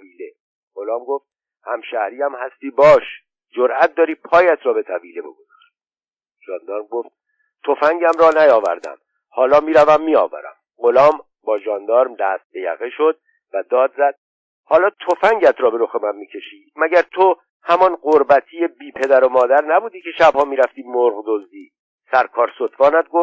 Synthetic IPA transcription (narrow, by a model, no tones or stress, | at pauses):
viːle | ɢo̞lɒːmɡoft̪̚ | hæmʃæhɾiːæmhæst̪iːbɒːʃ | d͡ʒoɾʔæt̪̚d̪ɒːɾiːpʰɒːjæt̪ʰɾɒːbe̞t̪ʰæviːlebo̞̰ɡozɒ̥ːɾ | ʒ̥ɒːnd̪ɒːɾmɡoft̪̚ | t̪ʰo̞fæŋɟæmɾɒːnæjɒːvæ̰ɾd̪æ̰m | hɒːlɒːmiːɾævæmːiːɒ̰ːvæ̰ɾæ̰m | ʁo̞lɒːm | bɒːʒɒːnd̪ɒːɾmd̪æst̪̚bejæ̰ɣeʃo̞d̪̥̚ | væd̪ɒːd̪zæd̪̥̚ | hɒːlɒːt̪ʰofæŋɟæt̪ʰɾɒːbe̞ɾo̞xemænmiːcʰe̞ʃiːmæɟæɾt̪ʰo | hæmɒnɢoɾbæt̪ʰije̞biːpʰe̞d̪æɾo̞mɒːd̪æɾnæbuːd̪iːcʰe̞ʃæb̥hɒːmiːɾæft̪iːmoɾʁd̪ozd̪iː | sæɾkʰɒːɾsot̪ʰvɒːnæd̪̚ɡof